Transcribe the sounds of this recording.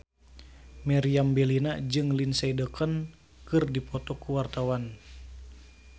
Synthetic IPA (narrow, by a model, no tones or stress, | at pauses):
mɛɾiambɛlinad͡ʒɨŋlinsadəkən | kɨrdipɔt̪ɔkuwart̪awan